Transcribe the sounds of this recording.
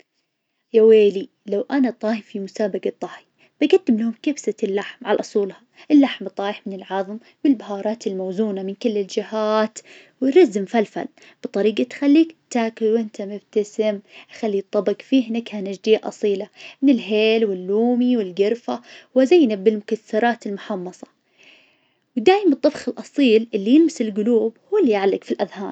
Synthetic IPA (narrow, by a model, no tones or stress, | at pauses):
jaweːli | lawʔanat̪ˤːɑːhfimʊsaːbaɡɑt̪ˤːɑːħi | b̥aɡad̪ːɪmlahʊmkabsalːaħmʕa̰lʔʊsˤuːlha | ʔɪlːaħmt̪ˤːɑːjɪħmɪnɪlʕɑðˤm | wɪlbahɑːɾˤɑːt̪ɪlmawzuːnamɪnkɪlːɪld͡ʒɪhaːt̪ | wɪɾazːɪmfalfa̰l | b̥ɨt̪ˤɑɾiːɡat̪xalːiːkt̪aːkɪwʔɪnt̪amɪb̚t̪asɪmʔaxalːit̪ˤːɑbɪɡfiːhɪnakhanad͡ʒd̪iːaʔɑ̰sˤiːlamɪnɪlɦeːlwɪlːuːmiwɪlɡɪɾfawɪzajːnabɪlmʊkaθːɑɾˤɑːt̪ɪlmʊħɑmːɑsˤɑ̥ | wd̪aːjɪmɨt̪ˤːɑbxɪlʔɑsˤiːlʔɪlːijɪlmɪsɪlɡʊluːbhuːlːijaʕlːɪkfilʔaðhɑːɾ